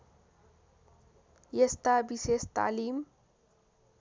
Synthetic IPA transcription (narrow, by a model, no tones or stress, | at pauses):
jest̪abiseːst̪a̰ːliːm